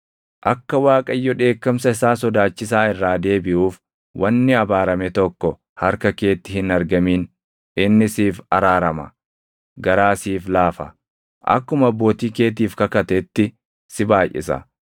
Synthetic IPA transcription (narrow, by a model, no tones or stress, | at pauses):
ʔɐkːɐwaːkʼɐjːɔᶑe̞ːkːɐms̬ɐɪsaːsɔd̪aːt͡ʃːɪs̬aːɪrːaːd̪e̞ːbɪʔuːf | wʔɐnːɪɐbaːɾɐmɛt̪ɔkːɔ | hɐɾkɐke̞ːt̪ːɪhɪnɐɾɡɐmiːn | ɪnːɪsiːfɐɾaːɾɐmɐ | ɡɐɾaːsiːflaːfɐ̰ | ʔɐ̰kːʊmɐbːo̞ːt̪iːke̞ːt̪̬iːfkɐkɐt̪ɛt̪ːɪ | sɪbaːjʔɪ̰sɐ̰